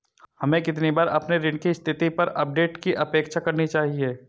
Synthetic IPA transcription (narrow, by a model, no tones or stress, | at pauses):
hɐmẽkɪt̪nibaːɾɐpneɾɪ̃ɳkist̪ʰɪt̪ipɐɾɐp̚ɖeːʈkiʔɐpeːkʃakɐɾnit͡ʃaːɦie